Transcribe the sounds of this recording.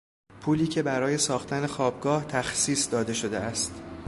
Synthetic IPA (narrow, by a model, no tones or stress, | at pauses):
pʰuːliːcʰe̞bæɾɒːje̞sɒːxt̪æne̞xɒːb̚ɡɒːht̪ʰæxsiːsd̪ɒːd̪e̞ʃo̞d̪e̞̰æst̪